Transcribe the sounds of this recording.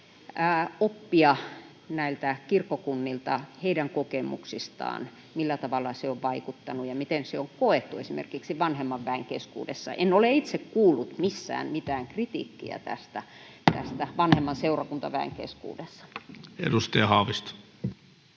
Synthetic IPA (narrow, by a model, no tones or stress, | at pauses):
æːopːiɑ | næilt̪ækirkːokunːilt̪ɑheidæŋkokemṵksist̪ɑ̰ːn | milːæt̪ɑʋɑlːɑseoʋʋɑikut̪ːɑnujɑmit̪enseoŋkoet̪ːuesimḛrkiksiʋɑnhemːɑʋʋæeŋkeskṵːdḛsːɑ̰ʔenoleit̪sekkuːlːut̪misːæ̰ːnmit̪æːŋkrit̪ḭːkːḭæ̰t̪æ̰st̪æ | t̪æ̰st̪æʋɑnhemːɑnseurɑkunt̪ɑ̰ʋæḛŋkḛskṵːdesːɑ̥ḛdust̪ɑjɑhɑːʋist̪